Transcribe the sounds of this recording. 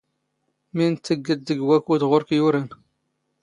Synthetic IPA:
mint̪ːəɡːəd̪ːəɡwækud̪ʁʊɾkjuɾən

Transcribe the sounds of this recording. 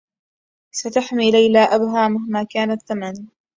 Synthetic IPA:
sat̪aħmiːlajlaːʔabɦaːmahmaːkaːnaθːaman

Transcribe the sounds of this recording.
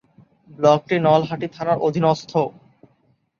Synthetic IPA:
blɔk̚ʈinɔlɦaʈit̪ʰanaɾod̪ʱinost̪ʰo

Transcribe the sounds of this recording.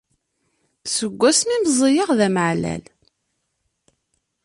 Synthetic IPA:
səɡʷːæsmiməzˤijəʁðæməʕlæ̰l

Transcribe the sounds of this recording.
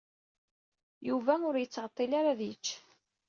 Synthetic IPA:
juvæʊɾjət͡sːʁət̪ˤːɪlaɾaðit͡ʃː

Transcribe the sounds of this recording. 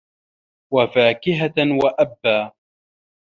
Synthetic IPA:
wafaːkɪɦawaʔabːaː

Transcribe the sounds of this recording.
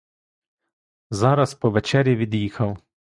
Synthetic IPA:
zɑɾɐspɔʋɛt͡ʃɛɾʲjiʋʲid̪jixɐw

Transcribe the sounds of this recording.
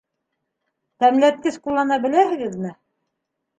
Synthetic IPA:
t̪æmlæt̪̚kɘskulˠːɑnɑbɘ̆læhɘ̆ɡɘ̆ðmɘ

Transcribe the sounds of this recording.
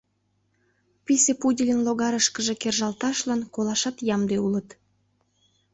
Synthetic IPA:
pʲisepudʲilʲənloɣɑɾəʃkəʒekerʒɑlt̪ɑʃlɑnkolɑʃɑt̪jɑmd̪eulət̪

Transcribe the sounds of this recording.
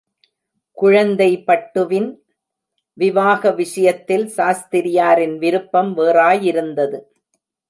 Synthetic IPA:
kʊɻɐnd̪ɐɪpɐʈːɯʋɪn | ʋɪʋaːɣɐʋɪʂɐjɐt̪ːɪlsaːst̪ɪɾɪjaːɾɪnʋɪɾɯpːɐmʋeːraːjɪɾɯnd̪ɐðɯ

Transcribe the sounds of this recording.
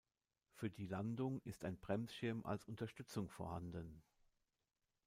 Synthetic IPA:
fyːɐdiːlandʊŋɪstaɪnbʁɛmsʃɪɐmʔa̰lsʊntɐʃtʏt͡sʊŋfoɐhandən

